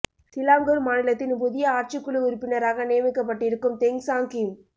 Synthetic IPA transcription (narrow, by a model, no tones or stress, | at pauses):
sɪlaːmɡɯɾmaːnɪlɐt̪ːɪnp̬ʊðɪjɐaːɾt͡ʃɪkːɯɭɯʊɾɯpːɪnɐɾaːɣɐnejɐmɪkːɐp̬ːɐʈːɪɾɯkːɯmt̪ɛŋsaːŋkɪm